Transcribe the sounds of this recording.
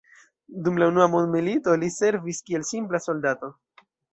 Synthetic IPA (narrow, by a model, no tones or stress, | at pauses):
dumlaunuamondmilito̞lise̞ɾviskie̞lsimplaso̞ldato̞